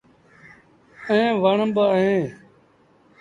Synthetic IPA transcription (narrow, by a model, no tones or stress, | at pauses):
ẽːʋaːɳəmbəɦẽː